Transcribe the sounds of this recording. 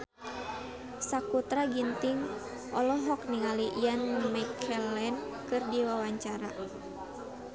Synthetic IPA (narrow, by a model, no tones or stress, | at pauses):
sakut̪ɾaɡint̪iŋ | ʔɔlɔɦɔkniŋaliʔijanmɛkʰɛlɛnkɨrdiwawaɲt͡ʃaɾa̰